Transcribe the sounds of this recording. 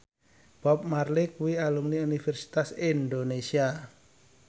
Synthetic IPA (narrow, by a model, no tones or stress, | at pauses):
b̥ɔp̚marlɪkuwialumniunifɛrsi̥t̪asind̪onesia